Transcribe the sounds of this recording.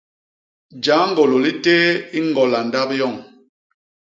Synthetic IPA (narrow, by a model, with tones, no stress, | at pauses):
d͡ʒa˨˦ŋ˦ɡo˨lo˨li˦teː˦i˦ŋ˦ɡɔ˨la˨nda˦pjɔ˦˨ŋ